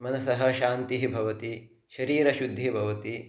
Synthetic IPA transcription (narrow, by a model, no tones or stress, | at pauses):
mɐnɐsɐɦɐʃaːnt̪iɦibʱɐʋɐt̪i | ʃɐɾiːɾɐʃud̪ʱːibʱɐʋɐt̪i